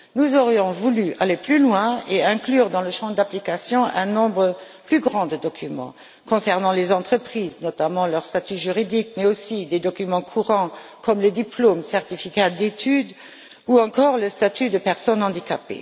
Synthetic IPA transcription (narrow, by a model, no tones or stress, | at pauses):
nuzɔʁjɔ̃vulyʔaleplylwɛ̃eɛ̃klyːʁd̪ɑ̃ləʃɑ̃d̪aplikasjɔ̃ʔɛ̃nɔ̃bʁə | plyɡʁɑ̃d̪əd̪ɔkʰymɑ̰̃ | kɔ̃sɛʁnɑ̃lezɑ̃t̪χəpχiːznɔt̪amɑ̃lœʁst̪at̪yʒyʁid̪ikmɛosid̪ed̪ɔkymɑ̃kʰuʁɑ̃kʰɔmləd̪iploːmsɛʁt̪ifikad̪et̪ʰyd̪ | uɑ̃kɔːʁləst̪at̪yd̪əpɛʁsɔnɑ̃d̪ikapḛ